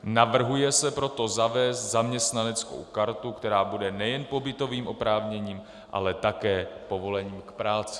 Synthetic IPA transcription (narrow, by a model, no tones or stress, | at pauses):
navr̩ɦujɛsɛpɾo̞t̪o̞zavɛːst̪zamɲɛst̪nanɛt͡sko̞̰wkaɾt̪ukt̪ɛɾaːbudɛnɛjɛnpo̞bɪt̪o̞viːmʔo̞pɾaːvɲɛɲiːm | ʔa̰lɛt̪akɛːpo̞vo̞lɛɲiːmkpɾaːt͡sɪ̥